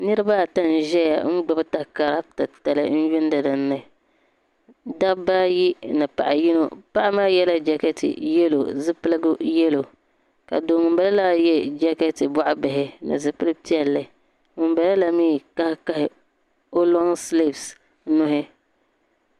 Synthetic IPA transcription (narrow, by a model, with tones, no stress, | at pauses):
nɨ˦ɾɨ˦ba˦˨ta˦n˨ʒɛ˦ja̰˨ŋ̩˦ɡ͡ba˨bɨ˦ta˨ka˨ɾa˦b̚ta˨ta˨lɨ̰˦n̩˦jɪ˦n˦da˨da˨nnːa˨ | da˦ba˦ji˦nɨ˨pa̰˨ʔa˨ji˦no˨pa˦ʔa˦maː˦jɛ˦la˦d͡ʒa˦kɛ˦tḭ˨jɛ˦lo̰˨zɨ˦pɨ˦lɨ˦ɡʊ˦jɛ˦lo˨ | ka̰˨doː˨ŋɨ˨mba˨la˦laː˦jɛ˦d͡ʒa˦kɛ˦ti˨ba˦ʔʊ˦bɪ˨ɦɪ˦nɨ̰˨zɨ˦pɨ˦lɨ˦ti˦ɛ˨lːɨ˨ | ŋɨ˨mba˨la˦la˦miː˦ka˦hɪ˦ka˦hɪ˨ | o˦lɔ˦ŋsle˦˨bs | nʊ˦ɦɪ˦